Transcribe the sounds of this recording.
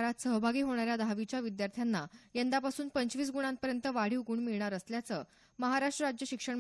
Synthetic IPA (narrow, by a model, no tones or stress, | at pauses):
ɾat̪səɦbʱaɡiːɦoɽ̃aɾjad̪ʱaʋit͡ɕjaʋid̪jaɾt̪ʰjanːajend̪apasuːnpəɲt͡ɕʋiːs̬ɡuɽ̃ãnpəɾjənt̪əʋaɽ̤iːwɡuɳmiɭɳaɾəsljat͡səː | məɦaɾaʂʈɾəɾad͡ʑjəɕikʂəɳ